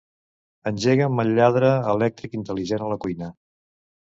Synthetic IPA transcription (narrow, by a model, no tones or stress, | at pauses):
ənʲʒeɣəməʎːaðɾəːlɛk̚t̪ɾikint̪əliʒɛnələkujnə